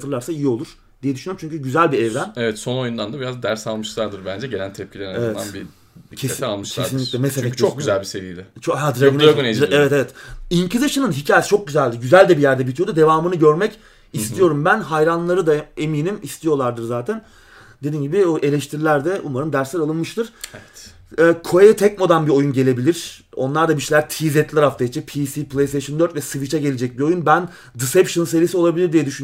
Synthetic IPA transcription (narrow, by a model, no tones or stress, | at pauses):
t̪ʰɯɾlˠaɾsaijio̞lˠuɾ̥ | d̪̥ijɛd̪yʃynyøɾmt͡ʃyɲcʰyɟyzælʲbiɛvɾænevɛt̪so̞no̞jund̪and̪abiɾazd̪æɾsalˠmɯʃlˠaɾd̪ɯɾbænd͡ʒɛɟelænt̪ʰɛp̚cʰilʲeɾinevɛa̰nbi | d̪icʰesʰialˠmɯʃlcʰˠeaɾinʲicclʲɛmesefɛct͡ʃʰok̚ɟyzælʲbise̞vḭjd̪ɪt͡ʃʰohad̪ɾaɡunaɡuneevɛt̪evɛt̪incizaʃɯnɯnɦicʰaːjsi̥t͡ʃʰok̚ɟyzælʲd̪iɾɟyzælʲd̪ɛbijæɾd̪ɛbit̪ʰijo̞d̪ud̪e̞vaːmɯnɯɟø̞ɾmɛc | ist̪ʰijo̞ɾumbænɦajɾanlˠaɾɯd̪ae̞miːnimist̪ʰijo̞lˠaɾd̪ɯɾzaːt̪ʰæn | d̪e̞d̪iːnɟibioʔe̞lʲɛʃt̪ʰiɾilʲæɾd̪ɛʔumaɾɯnd̪æɾslʲæɾalˠɯnmɯʃt̪ʰɯɾ̥ɛ | ɛːkʰoet̪ʰɛcmod̪anbio̞junɟe̞lʲe̞bilʲiɾ̥o̞nlˠaɾd̪abiʃejlʲæɾt̪ʰizɛt̪lʲɛɾaft̪ʰajet͡ʃʰɛpʰisipʰlˠejseʃɯnd̪øɾt̪vɛsɯvit͡ʃʰɛɟe̞lʲed͡ʒɛc̚biojunbæn | d̪isɛpʃɯnɯnseɾisio̞lˠabilʲiɾd̪ijɛd̪yʃyn